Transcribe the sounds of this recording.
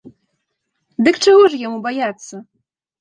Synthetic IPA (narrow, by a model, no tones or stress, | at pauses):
d̪ɨkt͡ʂɨɣɔʐjamubajat̪sːɐ